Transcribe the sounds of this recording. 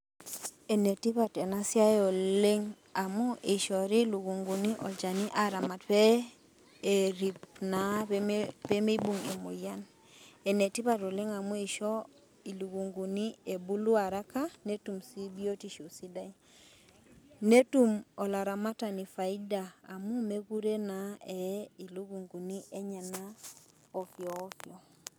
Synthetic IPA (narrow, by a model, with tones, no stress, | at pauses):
e˨ne˨ti˦pa˨te˨na˦si˦a˦jo˨le˦ŋ | a˨mu˦i˨ʃɔ˨ɾi˦lu˨ɡu˨ŋɡu˨ni˦ʔɔ˨d͡ʒa˨ni˦ʔa˨ɾa˨ma˨t̚pɛː˦˨ | ɾi˨pna˨ | pe˦mi˦bu˦˨ŋi˨mṵ˨ja˦n | e˨ne˨ti˦pa˨tɔ˨le˦ŋa˨mu˦i˨ʃɔ˦ | i˨lu˨ɡu˨ŋɡu˨ni˦e˨bu˦lu˦a˨ɾa˦ka˦ne˦tu˨msi˦bi˦o˦ti˨ʃu˨si˦da˦i˦ | ne˦tu˦˨mɔ˨la˨ɾa˨ma˦ta˨ni˨fa˨i˦daː˨mu˦me˦ɡu˦ɾe˦na˨ɛ˨i˨lu˦ɡu˨ŋɡu˨ni˦ʔɛ˦ɲa˨na˦ | ɔ˨kjɔː˨˦kjɔ˨